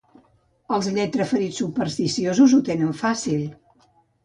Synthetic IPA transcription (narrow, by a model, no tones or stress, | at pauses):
əlˠzʎɛt̪ɾəfəɾit͡ssːupəɾst̪isiozuzut̪enəɱfasilˠ